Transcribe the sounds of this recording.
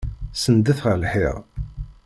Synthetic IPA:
sənd̪əθʁəlħɪ̰ʁ

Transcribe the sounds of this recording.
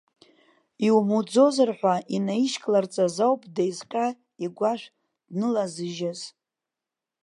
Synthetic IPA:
iwmud͡zo̞zarħʷaʔinaiʃkʼlart͡sʼazawpʼdajzqʲʼa | iɡʷaʃʷᶣ | d̥nɨlazɨʒaz

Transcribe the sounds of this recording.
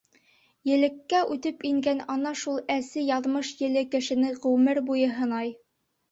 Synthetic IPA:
jɘ̆lɘ̆kːæʔʉt̪ɘpiŋɡænɒnɑʃulˠæsɘjɑðmɤʃjɘ̆lɘkɘ̆ʃɘ̆nɘʁʉmɘɾbujɤɦɤ̆nɑj

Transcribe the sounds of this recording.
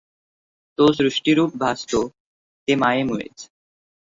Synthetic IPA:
t̪osɾuʃʈiɾuːp̚bʱast̪o | t̪emaemuḛt͡ɕ

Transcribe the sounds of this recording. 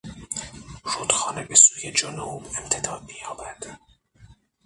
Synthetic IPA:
ʃod̪̥xɒːnebesuːjed͡ʒonubemt̪ʰe̞d̪ɒːd̪mijɒːvæd̪̥

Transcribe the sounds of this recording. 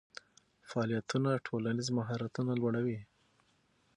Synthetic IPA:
faːlijat̪unaʈʰolanizmaɦɑɾat̪unalwaɽawi

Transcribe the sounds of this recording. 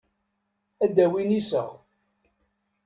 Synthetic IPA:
æd̪æwinisə̰ʁ

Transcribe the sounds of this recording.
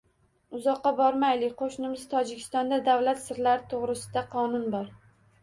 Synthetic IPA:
ʊzɒqːɑbɒɾmajlɪkʲqʰoʃnɪmɪz̥t̪ʰɒd͡ʒɪkʲʰɪst̪ɒnd̪ad̪avlat̪sɪɾlaɾɪt̪ʰoʁɾɪsɪd̪aqʰɒnʊnbɒɾ

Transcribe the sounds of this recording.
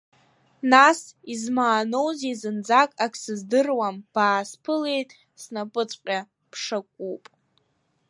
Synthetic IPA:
nasizmaːno̞wzizɨnd͡zakʼakʰʼsɨzdɨrwamb̥aːspʰɨle̞jtʼ | snapʼɨt͡sʷʼqʲʼa | pʰʂakʷʼupʼ

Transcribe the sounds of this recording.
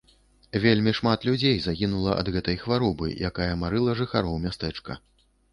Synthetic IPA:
vʲelʲmʲiʂmat̪lʲud͡zʲejzaɣʲinulˠɐʔɐ̰d̪ɣɛt̪ɐjxvaɾɔbɨ̰jakajɐmaɾɨlˠɐʐɨxaɾɔwmʲast̪ɛt͡ʂkɐ

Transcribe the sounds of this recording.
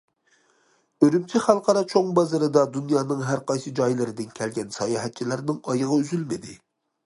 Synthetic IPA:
øɾymt͡ʃʰɛχælˠqɑɾɑt͡ʃʰoŋbɑzɨɾɨd̪ɑd̪unjɑːnɨŋɦæɾqɑjsɨd͡ʒɑjlˠɨɾɪd̪ɪnkʲʰɛlɡʲɛnsɑjɑɦɛt̪̚t͡ʃʰilæɾnɨŋɑjəʁɑyzylmɪd̪ɪ

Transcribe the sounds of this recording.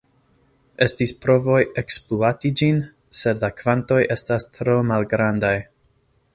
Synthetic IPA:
e̞stispɾo̞vo̞jekspluatid͡ʒin | se̞dlakv̥anto̞jʔe̞stastɾo̞malɡɾandaj

